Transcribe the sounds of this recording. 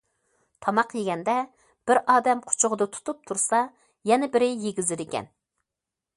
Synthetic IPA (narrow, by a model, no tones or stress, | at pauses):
t̪ʰɑmɑqjeɡʲɛnd̪ɛ | b̥ɪɾʔɑːd̪ɛmqʰʊ̥t͡ʃʰʊʁəd̪ɨt̪ʰu̥t̪ʰup̚t̪ʰuɾsɑ | jɛnɛbɪɾɪjeɡʲizɪɾɪkʲɛ̰n